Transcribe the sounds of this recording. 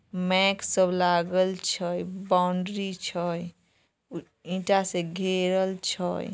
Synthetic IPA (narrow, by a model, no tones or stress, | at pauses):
mɛksəblaɡəlt͡ʃʰəjbaʊɳɖɾit͡ʃʰəj | ĩʈasẽɡʱeɾəlt͡ʃʰə̰j